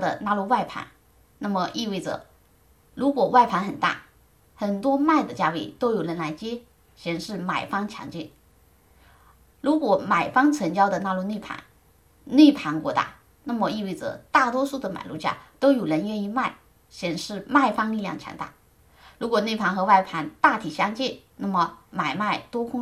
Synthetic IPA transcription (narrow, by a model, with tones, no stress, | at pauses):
d̪ə̰˨˩na˥˧lu˥˧wa˥˩ɪpʰa̰˧˥n | na˥˩mə˩ʔi˥˧we˥˩ɪʈ͡ʂɤ̰˨˩ | ɻu˧˥kwɔ˨˩wa˥˩ɪpʰa˧˥nxə˨˩nt̪a̰˥˩ | xə˨˩nt̪wɔ˥ma˥˩ɪd̪ə˩t͡ɕja˥we˥˩ɪt̪o˥ʊjo˨˩ʊɻə˧˥nla˧˥ɪt͡ɕjɛ˥ | ɕjɛ˨˩nʂɻ̩˥˩ma˨˩ɪfɑ˥ŋt͡ɕʰjɑ̰˧˥ŋt͡ɕḭ˥˩˦n | ɻu˧˥kwɔ˨˧˥ma˨˩ɪfɑ˥ŋt͡sʰə˧˥nt͡ɕjɑ˥ʊd̪ə˨na˥˧lu˥˧ne˥˩ɪpʰa̰˧˥n | ne˥˩ɪpʰa˧˥nkwɔ˧˥t̪a̰˥˩ | na˥˩mə˩i˥˧we˥˩ɪʈ͡ʂɤ̰˩t̪a˥˩t̪wɔ˥ʂu˥˩d̪ə˩ma̰˨˩ɪlṵ˥˩t͡ɕja̰˥˩t̪o˥ʊjo˨˩ɻə˧˥nɥɛ˥˧ni˥˧ma˥˩ɪ | ɕjɛ˨˩nʂɻ̩˥˧ma˥˩ɪfɑ˥ŋli˥˧ljɑ̰˥˧˩ŋt͡ɕʰjɑ̰˧˥ŋt̪a̰˥˩ | ɻu˧˥kwɔ˨˩ne˥˩ɪpʰa˧˥nxɤ˧˥wa˥˩ɪpʰa˧˥nt̪a˥˩t̪ʰi˨˩ɕjɑ˥ŋt͡ɕi˥˩n | na˥˩mə˩ma˨˩ɪma˥˩ɪt̪wɔ˥kʰʊ˥ŋ